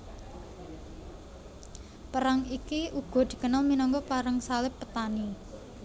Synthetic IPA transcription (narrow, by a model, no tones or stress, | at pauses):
pəɾaŋikiuɡ̥ɔ̤d̪̥i̤kənalminɔŋkɔpaɾəŋsalɪpːət̪ani